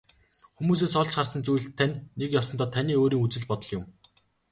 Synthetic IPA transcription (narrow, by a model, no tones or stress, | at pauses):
xumuːs̬eːsɔɮt͡ɕχarsə̆nt͡sujɮt̪ʰːænʲːekjɔsɞ̆nt̪ɔːt̪ʰanʲiːoːɾiːŋut͡sɘ̆ɮpɔt̪ɞ̆ɮjʊm